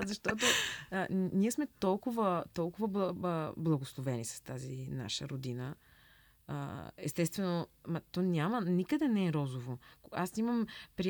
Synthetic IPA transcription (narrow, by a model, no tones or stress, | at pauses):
zɐʃt̪ɔt̪o | niɛsmɛt̪ɔlˠkʊvət̪ɔlˠkʊvəbblˠɐɡoslˠovɛnisɐ̥st̪azina̰ʃə̰ɾod̪inə | ə̰ɛ̰st̪ɛst̪vɛnomɐt̪ɔnʲjamənikəd̪ɛnɛɛɾɔzovoasimɐmpɾi